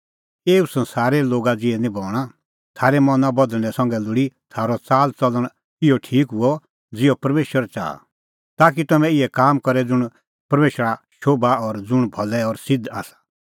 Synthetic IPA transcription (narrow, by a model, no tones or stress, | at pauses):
eːusɐ̃nsaːɾɛloːɡad͡zɪɛnĩboːlɽ̃a | t̪ʰaːɾɛmɐnãbɐd̪̃ɛ̃sɐ̃ŋɡɛlʊɽit̪ʰaːɾɔt͡saːlt͡sɐləɽ̃ | ɪjɔʈʰiːkɦʊɔ | d͡zɪɔpɐɾmeːʃwəɾt͡ʃa̰ːa̰ | t̪aːk̬it̪ɐmɛ̃ɪɛkaːmkɔɾɛd͡zʊɽ̃ | pɐɾmeːʃɾaʃoːbaɔɾd͡zʊɽ̃bʱɐlɛɔɾsɪd̪a̰ːsḁ